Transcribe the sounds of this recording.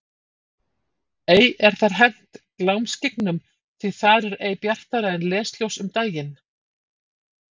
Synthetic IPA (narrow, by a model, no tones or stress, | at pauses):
eːjɛɾ̥θaɾ̥ɦɛn̥t̪klawmscɪknʏm | θʰɪθaɾɛɾeːjpjar̥t̪aɾaɪnlɛːst̪ljowsʏmt̪aːjɪn